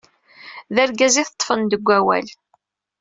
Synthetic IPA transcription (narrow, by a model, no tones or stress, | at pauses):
ðæɾɡæziθət̪ˤːfənd̪əɡʷːæwæ̰l